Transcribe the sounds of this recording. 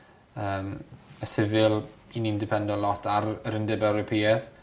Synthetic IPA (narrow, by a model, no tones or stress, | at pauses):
əːməsɪvɪlˠinindɪpʰɛndɔlɔtʰaɾəɾəndɛbɛwɾɔpʰiːɛð